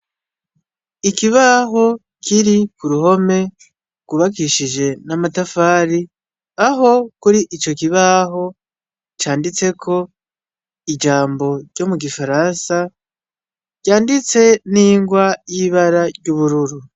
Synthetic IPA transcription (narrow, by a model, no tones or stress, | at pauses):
ikiβaɦo̞ | kʰiɾikuɾuho̞me̞ | ɡ̥uβakiʃiʒe̞namatafaːɾi | aɦo̞kuɾiʔit͡ʃo̞kiβaɦo̞ | t͡ʃaːndit͡se̞kʰo̞ | id͡ʒaːmbo̞ɾɟo̞muɡifaɾansa | ɟ̥aːndit͡se̞niːŋɡwajiβaɾaɾɟuβuɾuɾu